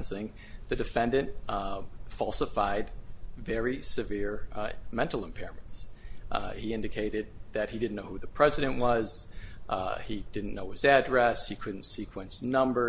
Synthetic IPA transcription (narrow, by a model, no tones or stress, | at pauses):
nsɪ̃ŋ | ðɨdɨfɛ̃ndɨ̃nt | fɑlˠsəfaɪdvɛɹisɨvɪɹmɛ̃ntˡl̩ˠə̃mpʰɛɹə̃m̃nts | hiɪ̃ndɨkʰeɪɾɨd̪̚ðɨt̚hidɪdⁿn̩noʊhʉðɨpʰɹ̥ɛzɨɾɨ̃nʔwʔʌz̥ | id̥ɪdⁿn̩noʊɨzædɹɛshikʰʊdⁿn̩tsikʰwə̃nsnʌ̃mbə˞